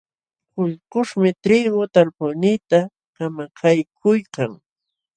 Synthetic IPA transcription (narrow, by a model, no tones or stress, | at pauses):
kʊʎqʊʂmɪt̪ɾɪɡʊt̪alpʊnit̪a | kamakʰajkʰʊjkaŋ